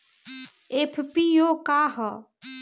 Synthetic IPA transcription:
epʰpijoːkaːɦə

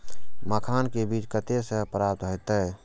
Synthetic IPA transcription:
məkʰaːnkebiːt͡ʃkət̪esə̃pɾaːp̚t̪ɦojt̪əː

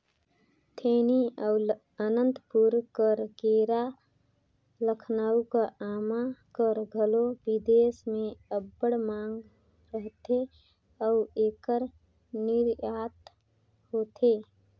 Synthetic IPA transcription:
t̪ʰeniə | ənənt̪puɾkəɾɡeɾa | ləkʰnaːukəamakəɾɡʱəlobid̪esmẽəbːəɽmaŋɡ | ɾəɦt̪e | əueːkəɾ | nɪɾjaːt̪ | hot̪ʰe

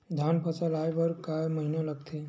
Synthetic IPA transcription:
d̪ʱjaːnpʰəsəlaːepəɾkaməɦinaləɡt̪ʰe

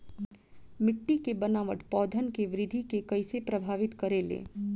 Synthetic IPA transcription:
mɪʈːikebənaːʋəʈpɔːd̪ʱənkeʋɾɪd̪ʱikekɐɪsepɾəbʱaːʋɪt̪kɐɾelḛː

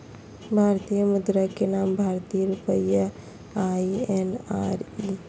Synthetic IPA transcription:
bʱaɾt̪ijəmud̪ɾakenambʱaɾt̪ijəɾupəjːa | aienaɾi

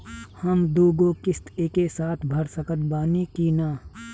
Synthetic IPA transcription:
hɐmd̪oːɡoːkɪst̪eːkesaːt̪ʰbʱɐɾsəkət̪̚baːnikiːnaː

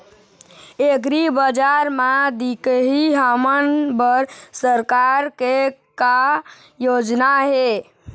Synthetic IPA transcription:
ekɾibəd͡ʒaɾmãd̪ikəɦiɦamənbəɾsəɾkaɾkeka | jod͡ʒnaɦe

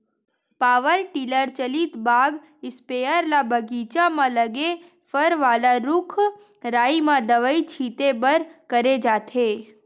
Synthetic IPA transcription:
paːʋəɾʈiləɾt͡ʃəlit̪baɡ | ɪspejəɾlabʱəɡit͡ʃamãləɡe | fəɾʋalaɾʊkʰ | ɾaːimãd̪əʋəit͡ʃʰit̪ebəɾkəɾed͡ʒaːt̪ʰe

